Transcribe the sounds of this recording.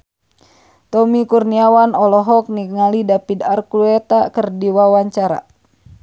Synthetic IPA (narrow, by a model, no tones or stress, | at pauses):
t̪ɔmikurniawanɔlɔɦɔk̚niŋalidapidarkuluɛt̪akərdiwawaɲt͡ʃaɾa̰